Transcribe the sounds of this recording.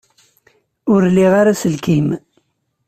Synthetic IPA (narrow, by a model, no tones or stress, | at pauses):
ʊɾliʁaɾasəlkim